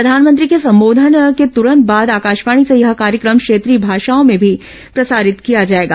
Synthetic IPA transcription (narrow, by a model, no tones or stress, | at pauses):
pɾɐd̪ʱaːnmə̃nt̪̬ɾikesɐ̃mboːd̪ʱənket̪ʊɾə̃nt̪̚baːd̪aːkaːʃʋaːɽ̃isejɐɦkaːɾjəkɾəmkʃeːt̪ɾiːbʱaːʃaːõmẽbʱi | pɾɐsaːɾɪt̪kijad͡ʒaːeːɡaː